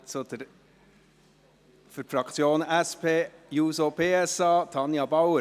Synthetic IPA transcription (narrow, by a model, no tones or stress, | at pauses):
t͡sod̪̥əɾ | fʏɾfɾɑkt͡sjoːnæspʰeːjuːsopeːɛsɑːt̪ʰɑnjɑbɑwə